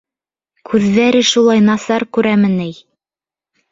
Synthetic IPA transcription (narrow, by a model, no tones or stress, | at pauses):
kʰʉðːæɾɘʃulˠɑjnɑsɑɾkʉɾæmɘ̆nɘj